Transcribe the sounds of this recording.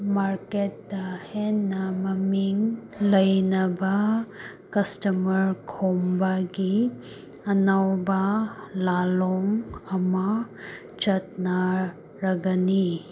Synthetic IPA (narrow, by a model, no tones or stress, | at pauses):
maɾket̚dɐhenːɐmɐmiŋ | lɐjnɐbɐ | kɐstɐmɐɾkʰombɐɡi | ɐnawbɐlaloŋɐmɐ | t͡ʃɐt̚nɐ | ɾɐɡɐni